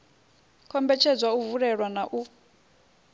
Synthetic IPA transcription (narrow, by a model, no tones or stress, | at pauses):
kʰɔmbɛt͡ʃʰɛd͡zwauvuɺɛɺwanaʔu